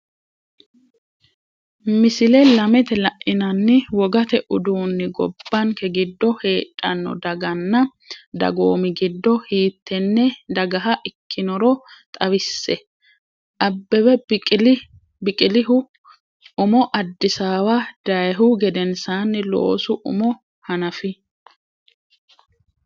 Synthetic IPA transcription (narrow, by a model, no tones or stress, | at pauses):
mɪsɪlɛlɐmɛt̪ɛlɐʔɪnɐnːɪwɔɡɐt̪ɛʔʊd̪uːnːɪɡɔ̰bːɐnkɛɡɪd̪ːɔhe̞ːᶑʼːɐnːɔ̰d̪ɐɡɐnːɐ | d̪ɐ̰ɡoːmɪɡɪd̪ːɔhiːt̪ːɛnːɛd̪ɐɡɐɦɐʔɪkʰːɪnɔɾɔt̪ʼɐwɪsːɛ | ʔɐbːɛwɛl | bɪkʼɪlɪhʊ | ʊmɔʔɐd̪ːɪsaːwɐd̪̥ɐjɦʊɡɛd̪ɛnsaːnːɪlo̰ːsʊʔʊ̰mɔ | hɐnɐfɪ